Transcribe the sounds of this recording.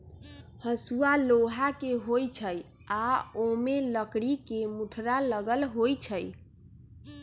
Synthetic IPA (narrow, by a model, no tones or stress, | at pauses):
həsualoɦakeɦojt͡ʃʰəj | aomeləkɽikemuʈʰɾaləɡəlɦojt͡ʃʰəj